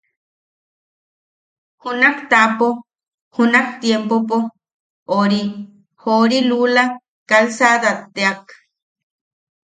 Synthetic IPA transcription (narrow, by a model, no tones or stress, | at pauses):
hunakt̪apo | hunakt̪jempopo | oɾi | hoɾilula | kalsad̪at̪ːeak